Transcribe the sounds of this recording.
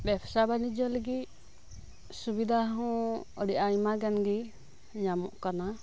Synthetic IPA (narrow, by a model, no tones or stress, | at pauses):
bɛbsabanid͡ʒɔləɡit̪̚ | subid̪ʱaɦɔ̃ɔɽijʔaimaɡɛnɡi | ɲamɔ̰ʔkana